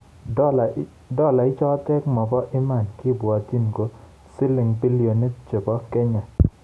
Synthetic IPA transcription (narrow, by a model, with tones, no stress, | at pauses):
dɔ˦la˨ɪ˦t͡ʃɔ˦tɛ˦kmɔ˨bɔ˦ʔɪ˦ma˦˨nkɪ˦˨bwa˨ti˦nɡo˨ | sɪ˦lɪ˨ŋbi˦li˨o˨nːe˦t͡ʃe˨bɔ˦kɛ˦ɲa˨